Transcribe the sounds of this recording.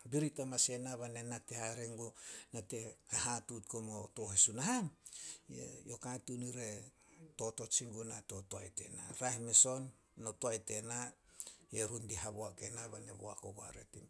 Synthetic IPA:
biɾitamase̞naβane̞natehaɾeŋɡonate̞hahatutkomoto̞hesunaɦajḛjo̞katuniɾe̞ | to̞to̞t͡ʃiŋɡunato̞toa̰jte̞̰na̰ɾahimeso̞nː | o̞toajte̞na | eɾundiɦaβoake̞naβanḛβoa̰koɡoa̰ɾḛtim

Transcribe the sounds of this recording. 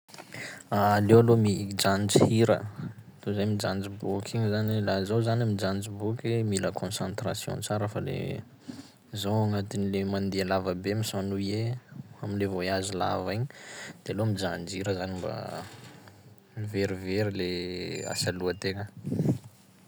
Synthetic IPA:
alewalomid͡ʒand͡ʒihiɾə̰t̪uzamid͡ʒand͡zibukʰiɲzanilazawzanamid͡ʒand͡zibukemiləkʰõnsãnt̪rasjɔ̰̃t͡saɾəfalḛ | zawaŋat̪inilemand̪ealavəbemisanuieaminlevoiazila̰viɲd̪̥ealomid͡ʒand͡ʒiɾəzanimba̰ | miveɾiveɾilea̰saluət̪eŋə

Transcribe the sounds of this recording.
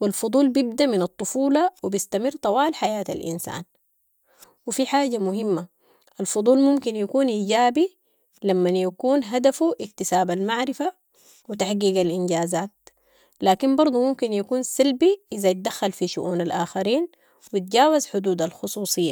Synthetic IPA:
wilfʊd̪ˤuːlbjib̚d̪aʔminɑt̪ˤːʊfuːlɑwibist̪amɪrːt̪ˤɑwaːlħajaːt̪a̰lʔḭnsa̰ːn | wifiħaːɟamʊɦimːa | ʔalfʊd̪ˤuːlmumkinjakuːnʔiːɟaːbi | lamːanjakuːnɦad̪afuʔik̚t̪isaːbalmaʕɾɪfa | wit̪aħɡiːɡalʔinɟaːzaːt̪̚ | laːkimbɑɾˤd̪ˤumumkinjakuːnsalbiʔɪzajt̪̚d̪axːalfiʃṵʔuːnalʔaːxaɾiːn | wit̪̚ɟaːwazħʊd̪uːd̪alxʊsˤuːsˤɨjːa

